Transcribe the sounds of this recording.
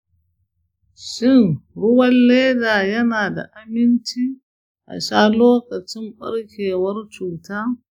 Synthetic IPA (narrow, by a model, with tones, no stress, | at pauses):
ʃɪ˦˨nɽʊ˦wɐ˦nlle˦daː˨jɐ˦naː˨da̰˨ʔa˦mɪ˦nt͡ʃiː˦ | ʔa̰˨ʃaː˦loː˦kɐ˨t͡ʃɪ˦mɓɐ̰˦ɽkʲeː˨wɐ˦rt͡ʃuː˨taː˦